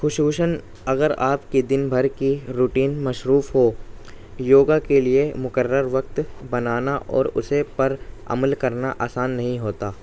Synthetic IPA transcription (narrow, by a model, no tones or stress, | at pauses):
xʊʃuːʃən | ɐɡəɾaːpkid̪ɪnbʱɐɾkiɾuʈiːnmɐʃɾuːfɦoː | joːɡakeliemʊkəɾːəɾʋɐk̚t̪bɐnaːnaʔɔ̰ːɾʊ̰sepɐɾɐ̰məlkɐɾnaʔaːsaːnːɐɦĩɦoːt̪aː